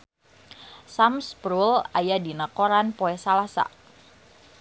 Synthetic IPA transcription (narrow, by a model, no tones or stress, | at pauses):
samspɾulajadinakoɾanpoɛsalasa̰